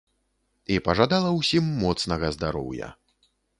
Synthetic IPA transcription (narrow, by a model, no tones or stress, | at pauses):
ipɐʐad̪alˠɐwsʲimːɔt̪snɐɣɐzd̪aɾɔ̰wjɐ̰